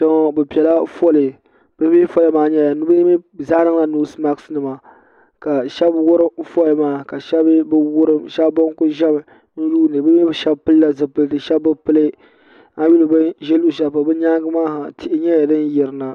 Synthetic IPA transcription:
dɔ˦ŋ˨bɨ˨pi˨ɛ˨la˦fɔ˦lɨ˨ | b̥ɨ˦mi˦fɔ˦lɨ˦maː˨˦ɲɛ˦ja˨nu˦bɨ˦mi˦zaː˦nɨ˦ŋla˨nu˦sma˦ksnɨ˨ma˨ | ka˨ʃɛ˦bwʊ˦ɾɨ˦fɔ˦lmaː˦ka˨ʃɛ˦bbɨ˦wʊ˦ɾɨ˦mʃɛ˦bbo˦ŋ˦kʊ˦ʒɛ˦b | nu˦duː˦nɨ˨bɨ˦m˦ɛ˦bʃɛ˦bpɨ˦lla˦zɨ˨pɨ˦ldɨ˨ʃɛ˦bbɨ˦pɨ˦lɨ˦ | a˦ju˦lɨ˨bɨ˦ʒɛ˦lu˨ʃa˦pa˨bɨ˦ɲa˦ɡɨ˦maː˦ha˨tʰɪ˦˨ʔɪ˨˦ɲɛ˦ja˨dɨ˦n˦jɛ˨ɾɨ˨na˨

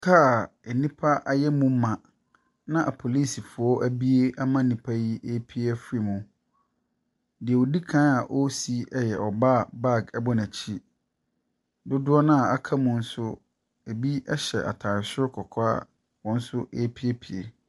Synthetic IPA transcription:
tʰaː˦˨ | e˨nĩ˦pʰa˦ʔa˨jɛ˦mũ˦mã˨ | nã˦ʔa˨pʰo˨li˦˨si˨fʊ˨ɔ˦ʔæ˦bi˦e˦ʔa˦mã˦˨nĩ˨pʰa˦ji˦e˦pʰi˦ɛ˦fi˨mũ˨ | dɪ˨ɛ˨o˨di˦kʰã˦a˨ʔɔ˦si˦ɛ˦jɛ˨ʔɔ˨ba˦˨ba˦˨ɡɛ˦bɔ˦næ̃˨t͡ɕʰi˦ | dʊ˦dʊ˦ɔ˦nã˦a˨a˨kʰa˦mʊ̃˦n̩˦sʊ˦ | e˨bi˦ɛ˦ɕɛ̰˨ʔa̰˨tʰa˨ɾɪ˨sʊ˦ɾkʰɔ˨kʰa̰˦ | wɔ̃˨˦n̩˦sʊ˦ʔe˦pʰi˦e˦pʰi˨ḛ˨

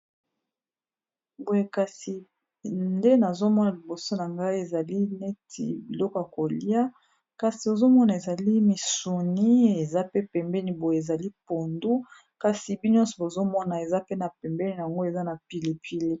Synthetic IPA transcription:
bo˨e˨ka˨si˨ | nde˦na˨zo˦mɔ˦na˨li˨bo˨so˦na˨ŋɡa˦i˦e˨za˨li˦ne˦tʰḭ˨bi˨lɔ˦kɔ˨ja˨ko˨li˦a˦ | ka˨si˨o˨zo˦mɔ˦na˨e˨za˨li˦mi˨su˨ni˦e˨za˦pe˦pɛ˨mbɛ˦ni˨bo˨je˨e˨za˨li˦po˨ndu˦ | ka˨si˨bi˦n˦ɔ̃˦nsɔ˨bo˨zo˦mɔ˦na˨e˨za˦pe˦na˨pɛ˨mbɛ˦ni˨na˨a˨ŋɡo˦e˨za˦na˨pi˨le˨pʰi˨le˦

